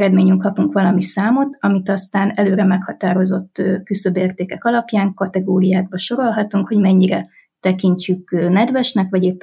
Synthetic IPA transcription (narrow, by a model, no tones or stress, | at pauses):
ɾɛd̪meːɲyŋkɒpuŋkʋɒlɒmisaːmo̞t̪ɒmit̪ɒst̪aːnɛløːɾɛmɛkhɒt̪aːɾo̞zo̞t̪ːkysøbeːrt̪eːkɛkɒlɒpjaːŋkɒt̪ɛɡoːɾijaːɡ̚bɒʃo̞ɾo̞lɦɒt̪uŋkho̞ɟmɛɲːiɾɛ | t̪ɛkiɲcykːnɛd̪ʋɛʃnɛkʋɒɟeːpː